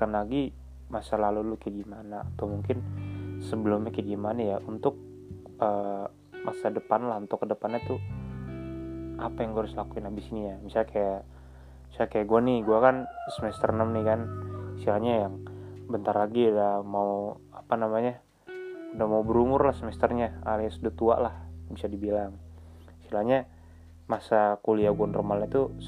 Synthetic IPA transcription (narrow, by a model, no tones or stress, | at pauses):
kanlaɡi | masalalulukəɡimanaːt̪awmuŋkɪnsəbəlumɲakəɡimanajaunt̪ʊk̚ | əː | masadəpanlahunt̪ʊkːədəpanɲat̪u | ʔapajaŋɡuaɾʊslakuɪnabɪsinijamisalakajaʔ | misalakajaʔɡuanɪɡuakansəmɛst̪ərnəmnikansilahɲajaŋbənt̪arlaɡidahmau | apanamaɲa | udamaubəɾumʊrlahsəmɛst̪ərɲaalasudat̪ua̰ʔlahbisadibilaŋ | silahɲa | masakuliaɡuanrəmalɲat̪u